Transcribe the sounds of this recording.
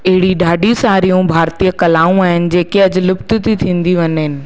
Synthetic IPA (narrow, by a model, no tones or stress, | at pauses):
ɐɦɪɽiɗaːɖiũsaːɾijũbʱaːɾt̪iːəkɐlaːũaːɦɪnɪ̆d͡ʑeːkeɐd͡ʑlʊbt̪ʊ̆t̪it̪ʰĩːn̆d̪iʋɐɲɦɪnɪ̆